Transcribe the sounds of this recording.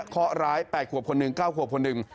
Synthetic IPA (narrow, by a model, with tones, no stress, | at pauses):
kʰɔ˦˥ɾaː˦˥jpɛː˨˩t̪̚kʰu˨˩əp̚kʰo˧nːɯ˨˩ŋkaː˥˩wkʰu˨˩əkʰo˧nːɯ˨˩ŋ